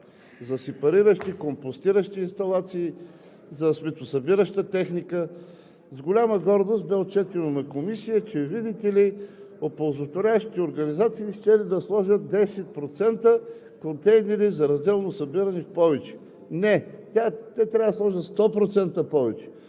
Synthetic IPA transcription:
zɐsɛpɐɾiɾəʃt̪ikompost̪iɾəʃt̪iːnst̪ɐlˠat̪siː | zɐsmɛt̪osɐbiɾəʃt̪ət̪ɛxnikə | zɡolʲaməɡɔɾd̪ost̪bɛot̪̚t͡ʃɛt̪imomɛkomisijət͡ʃɛvid̪it̪ɛli | opolˠzot̪voɾʲavəʃt̪i̥t̪ɛoɾɡɐnizat̪siːʃt̪ɛlid̪ɐslˠɔʒʲət̪̚d̪ɛsɛt̪̚pɾot̪sɛnt̪ə | kont̪ɛjnɛɾizɐɾɐzd̪ɛlˠnosɐbiɾɐnifpɔvɛt͡ʃɛ̥ | nɛt̪ʲat̪ɛt̪ɾʲavəd̪ɐslˠɔʒət̪st̪ɔpɾot̪sɛnt̪əpɔvɛt͡ʃɛ̥

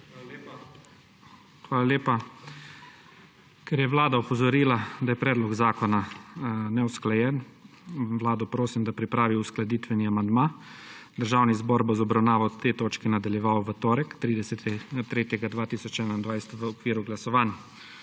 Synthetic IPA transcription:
xʋaːlaleːpa | kɛɾjɛʋlaːd̪aɔpɔzɔɾiːlad̪ajɛpɾɛːd̪lɔɡzaːkɔnanɛwsklajɛn | ʋlaːd̪ɔpɾoːsimd̪apɾipɾaːʋiusklad̪iːt̪ʋɛniamand̪mad̪əɾʒaːwnizbɔɾbɔzɔbɾawnaːʋawt̪ːet̪oːt͡ʃkinad̪aljɛʋawʋət̪oːɾəkt̪ɾiːd̪ɛsɛt̪ɛt̪ɾeːt̪jɛɡad̪ʋaːt̪iːsɔt͡ʃɛːnaind̪ʋajsɛ̥t̪ʋəɔkʋiːɾuɡlasɔʋaːnja

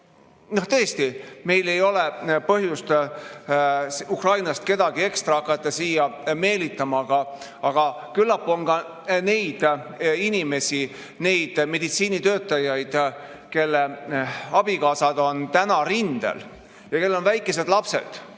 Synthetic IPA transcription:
no̞ht̪ɤ̞est̪ime̞jle̞jo̞le̞pɤɦjust̪ | sukrɑjnɑst̪ke̞d̪̥ɑɡ̥ie̞kst̪rɑɑkːˑɑt̪ːˑɑsiːjɑme̞ːlit̪ːˑɑmɑɡ̥ɑ | ɑɡ̥ɑ | kylːɑpːˑo̞nɡɑ | ne̞jd̪̥inime̞si | ne̞jd̪̥me̞d̪̥it̪siːnit̪ø̞ːt̪ːˑɑjɑjd̪̥ | ke̞lːeɑb̥ikɑːsɑd̪o̞nt̪ænɑɾind̪ḛl | jɑke̞lːo̞nvæjkːˑe̞se̞d̪lɑpse̞̰d̪̥

